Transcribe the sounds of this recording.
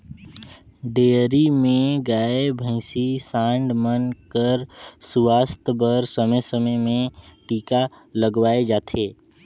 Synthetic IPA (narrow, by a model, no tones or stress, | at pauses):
ɖeːɾimẽɡaːebʱə̃ɪsisãːɳɖmənkəɾswaːst̪bəɾsəməjsəməjmẽʈiːka | ləɡʋaːed͡ʒaːt̪ʰeː